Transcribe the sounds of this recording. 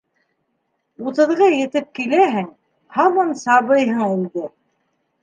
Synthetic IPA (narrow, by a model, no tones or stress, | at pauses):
ut̪ɤ̆ðʁɤjɘ̆t̪ɘp̚kilæɦɘŋ | hɑmɑnsɑβɤjɦɤɴulˠd̪ɤ